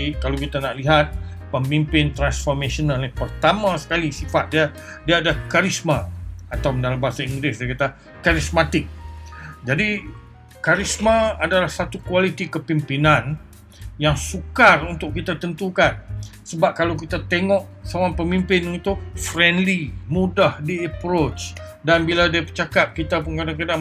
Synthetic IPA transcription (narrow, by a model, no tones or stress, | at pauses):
kalawkit̪anaʔliɦat̪̚ | pəmimpɪnt̪ɾansfɔrmesonalnipərt̪amãsə̥kalisifat̪̚dia | diaːdaahkaɾismaat̪awdalambaɦasaiŋɡɾɪsdajkat̪a | kaɾismat̪ɪk̚d͡ʒadi | kaɾismaadalahsat̪ukuwalit̪ikəpimpinãn | jaŋsukarunt̪ʊʔkit̪at̪ənt̪ukan | səbap̚kalawk̬it̪at̪eŋɔʔ | sowaŋpəmimpɪnunt̪ʊʔfɾɛndlimũdahdiəpɾot͡ʃ | danbiladiapət͡ʃakap̚kit̪apʊnkadaŋkada